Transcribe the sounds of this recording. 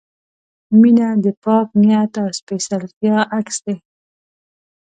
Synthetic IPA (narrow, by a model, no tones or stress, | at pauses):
minad̪əpɑkmjat̪awspesalt̪jɑʔaksd̪e